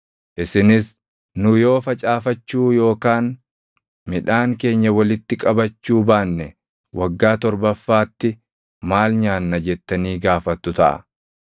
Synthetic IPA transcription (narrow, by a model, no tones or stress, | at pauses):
ʔɪsɪnɪs | nʊjo̞ːfɐt͡ʃʼaːfɐt͡ʃːuːjo̞ːkaːn | mɪᶑaːŋke̞ːɲːɐwɐlɪt̪ːɪkʼɐbɐt͡ʃːuːbaːnːɛ | wʔɐɡːaːt̪ɔɾbɐfːaːt̪ːɪ | maːlɲaːnːɐd͡ʒɛt̪ːɐniːɡaːfɐt̪ːʊt̪ɐʔɐ̰